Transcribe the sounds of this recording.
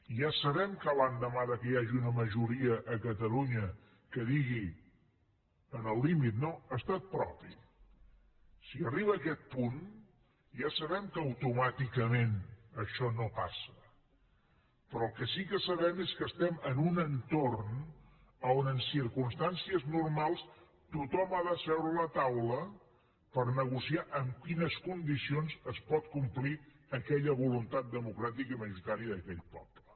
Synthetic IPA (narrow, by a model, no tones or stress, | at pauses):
ʒasəβɛmkəβand̪əmaðəkəjaʒiunəməʒuɾiəʔːkət̪əluɲə | kəðiɣi | ənəlˠːimit̪noəst̪at̪̚pɾɔ̰pi | siəriβ̞əːkɛt̪̚pun | ʒasəβɛmkəəwt̪umat̪ikəmenəʃɔnopa̰sə̥ | pɾɔəlˠkəsikəsəβɛmeskəst̪ɛmənunənt̪orn | əonənsiɾkunst̪ansiəznurmalˠs | t̪ut̪ɔmaðəsɛwɾələt̪awlə | pəɾnəɣusiaʔəmkinəskund̪isionzəspɔt̪̚kumpli | əkɛʎəβulunt̪at̪̚d̪əmukɾat̪ikiməʒuɾit̪aɾiəðəkɛʎpɔ̰plə